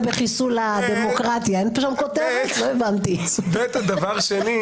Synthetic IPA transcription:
beχisulad̪emo̞kʁat̪jaenpoʃamkot̪evt̪loevant̪ibet̪ad̪avaʁʃeni

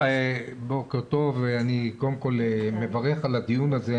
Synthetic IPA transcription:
ebokeʁt̪o̞veanikoemko̞lemevaʁeχalad̪ijunaze

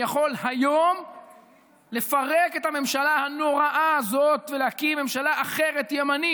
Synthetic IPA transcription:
jaχo̞lhajo̞m | le̞faʁeke̞t̪hame̞mʃalahano̞ʁaʔaːzo̞t̪velehakime̞mʃalaʔaχe̞ʁe̞tjemani

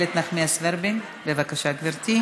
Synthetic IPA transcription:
let̪naχmiasveɾbin | bevakaʃaɡviɾt̪i

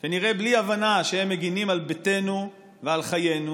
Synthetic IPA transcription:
kaniʁebliavanaʃehemːe̞ɡinimalbete̞nu | vealχaje̞nu

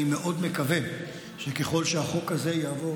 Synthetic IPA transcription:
imeʔo̞d̪me̞kave | ʃekeχo̞lʃeaχo̞kaze̞jaːvo̞

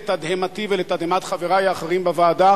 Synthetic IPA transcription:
t̪ad̪hemat̪ivelet̪ad̪hemat̪χaveʁajeaχeʁimbevaːd̪a

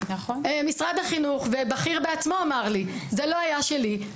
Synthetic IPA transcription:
naχonemisʁad̪haχinuχvebaχiʁbeat͡smo̞amaʁlizelo̞ajaʃeli

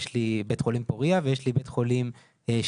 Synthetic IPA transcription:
ʃlibet̪χo̞limpoʁiavejeʃlibet̪χolim | eʃ

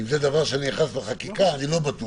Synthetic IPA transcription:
imzed̪avaʁʃeaniaχasleχakikaːnilo̞bat̪u

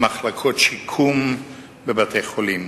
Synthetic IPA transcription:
maχlakʰotʃikʰum | bebatʰejχolim

